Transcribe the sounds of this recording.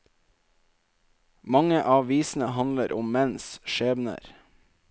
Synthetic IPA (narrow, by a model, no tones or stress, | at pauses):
mɑŋəʔɑːʋiːsn̩əhɑnləɾʔʊmmɛnsʃeːʋnə̰ɾ